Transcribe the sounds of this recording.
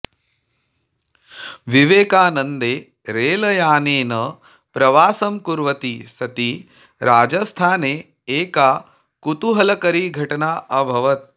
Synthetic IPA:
ʋiʋeːkaːnɐnd̪eː | ɾeːlɐjaːneːnɐ | pɾɐʋaːsɐmkuɾʋɐt̪isɐt̪i | ɾaːd͡ʒɐst̪ʰaːneː | eːkaː | kut̪uɦɐlɐkɐɾiɡʱɐʈɐnaːʔɐbʱɐʋɐt̪̚

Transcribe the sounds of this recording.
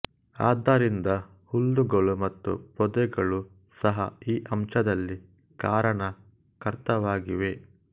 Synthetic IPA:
a̰ːd̪aɾind̪ɐ | hulːuɡɐɭumɐt̪ːṵpɔd̪ɛɡɐɭu | sɐɦɐ̰iːʔɐmt͡ʃɐd̪ɐlːi | kaːɾɐɳɐ | kɐɾt̪ɐʋaːɡiʋe̞

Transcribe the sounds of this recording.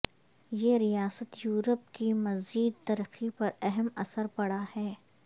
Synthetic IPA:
jeɾijaːsət̪juːɾəp̚kimɐziːd̪̚t̪ɐɾəxipɐɾɛɦɛmɐsəɾpɐɽahɛː

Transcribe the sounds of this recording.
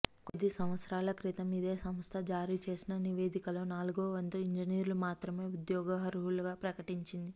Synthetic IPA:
ko̞d̪ːisɐmʋɐt̪sɐɾaːlɐkɾit̪ɐmid̪eːsɐmst̪ʰɐd͡ʒaːɾiːt͡ʃe̞ːsinɐniʋe̞ːd̪ikɐloːnaːluɡoːʋɐnt̪uiɲd͡ʒiniːɾlumaːt̪ɾɐme̞ːud̪jɔːɡɐɦɐɾuɦuluɡaːpɾɐkɐʈiɲt͡ʃind̪i

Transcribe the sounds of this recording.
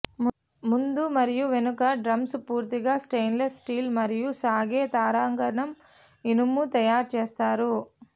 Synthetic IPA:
mund̪umɐɾijuʋenukɐɖɾɐmspuːɾt̪iɡɐsʈejnlesːʈiːlmɐɾijusaːɡeːt̪aːɾaːŋɡɐɾɐɳɐm | inumːut̪ɐjaːɾt͡ʃeːst̪aːɾu

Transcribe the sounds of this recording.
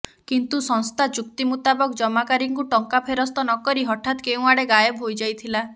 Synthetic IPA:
kint̪usɔ̃nst̪ʰat͡ʃuk̚t̪imut̪abɔkd͡ʒɔmakaɾiŋkuʈɔŋkapʰeɾɔst̪ɔnɔkɔɾiɦɔʈʰat̪keũaɽeɡajɔbɦojd͡ʒajt̪ʰila

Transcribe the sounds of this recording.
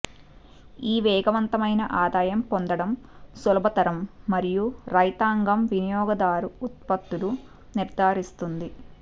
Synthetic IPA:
iːʋɛːɡɐʋɐnt̪ɐmɐjnɐʔaːd̪aːjɐmpond̪ɐɽɐmsɔlɐbʱɐt̪ɐɾɐmːɐɾijuɾɐjt̪aːŋɡɐmʋinijɔːɡɐd̪aːɾuut̪̚pɐt̪ːulu | niɾd̪ʱaːɾist̪und̪i

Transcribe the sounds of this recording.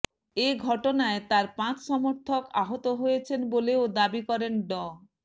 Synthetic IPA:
eɡʱɔʈonaet̪aɾpãt͡ɕʃɔmoɾt̪ʰoka̰ɦot̪oɦojet͡ɕʰenboleod̪abikɔɾenɖɔ

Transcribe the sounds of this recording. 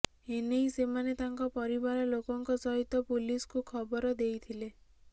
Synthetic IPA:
enejsemanet̪aŋkɔpɔɾibaɾɔlokɔŋkɔt͡ʃɔɦit̪ɔpuliskukʰɔbɔɾɔd̪ejt̪ʰile

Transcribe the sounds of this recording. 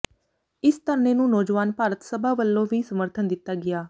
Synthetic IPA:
ɪst̪əɾneːnũːnɔːd͡ʒʋaːnpaːɾət̪səbʱaːʋəlːõːʋiːsəməɾt̪ʰənd̪ɪt̪ːaːɡɪjaː

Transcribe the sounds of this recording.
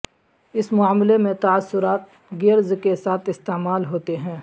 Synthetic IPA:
ɪsmʊaːmlemẽt̪asːʊɾaːt̪̚ | ɡeɾzkesaːt̪ʰɪst̪eːmaːlɦoːt̪eɦɛ̃ː

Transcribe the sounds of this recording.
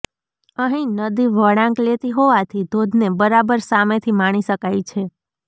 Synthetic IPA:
əɦĩnəd̪iʋəɽãŋklet̪iɦoʋat̪ʰid̪ʱod̪ʱnebəɾabəɾsamet̪ʰimaɽ̃iʃəkajt͡ʃʰe

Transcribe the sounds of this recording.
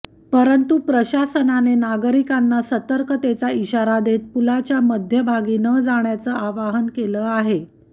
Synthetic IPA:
pəɾənt̪upɾəɕasənanenaɡəɾikanːasət̪əɾkət̪et͡saiɕaɾad̪et̪̚pulat͡ɕjaməd̪ʱjəbʱaɡiːnəd͡zaɳjat͡səʔaʋaɦənkeləaɦe

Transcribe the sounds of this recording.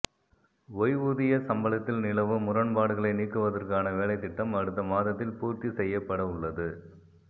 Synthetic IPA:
ʋɔjʋuðɪjɐsɐmbɐlɐt̪ːɪlnɪlɐʋɯmʊɾɐɳpaːɽɯɣɐɭɐɪniːkːɯʋɐðɐrkaːnɐʋeːɭɐɪt̪ːɪʈːɐmɐɽɯt̪ːɐmaːðɐt̪ːɪlpuːɾt̪isɛjːɐpːɐɽɐʊɭːɐðɯ

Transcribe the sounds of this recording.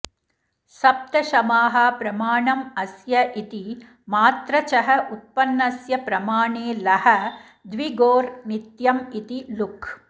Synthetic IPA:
sɐp̚t̪ɐʃɐmaːɦɐpɾɐmaːɳɐmɐsjɐʔit̪i | maːt̪ɾɐt͡ʃɐɦɐʔut̪̚pɐnːɐsjɐpɾɐmaːɳeːlɐhɐ | d̪ʋiɡoːɾnit̪jɐmit̪ilukʰ

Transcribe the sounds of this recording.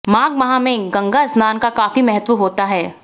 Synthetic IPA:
mãːɡ̚mɐɦãmẽɡɐ̃ŋɡaɪsnaːnkakaːfimɛɦət̪ʋuɦoːt̪aɦɛː

